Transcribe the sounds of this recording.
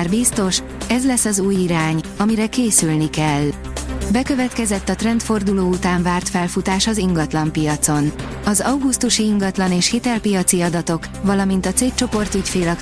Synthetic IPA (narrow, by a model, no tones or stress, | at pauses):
rbist̪o̞ʃ | ɛzlɛsːɒzuːjiɾaːɲɒmiɾɛkeːsylnikɛlːbɛkø̞vɛt̪kɛzɛt̪ːɒt̪rɛnt̪fo̞rd̪uloːut̪aːɱvaːrt̪fɛlfut̪aːʃɒziŋɡɒt̪lɒmpijɒt̪so̞n | ɒzɒwɡust̪uʃiiŋɡɒt̪lɒneːʃhit̪ɛlpijɒt̪siɒd̪ɒt̪o̞k | vɒlɒmint̪ɒt̪seːk̚t͡ʃo̞po̞rt̪ycfeːlɒk